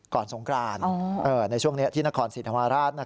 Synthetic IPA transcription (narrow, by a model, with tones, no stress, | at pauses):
kɔː˨˩nso˩˦ŋkɾaː˧nː˧˩ʔɤː˨˧˩na˧jt͡ɕʰu˥˩əŋni˦˥ɐt̪ʰiː˥˩na˦˥kʰɔː˧nsi˨˩t̪ʰa˧maː˧ɾaː˥˩t̪̚na˦˥˩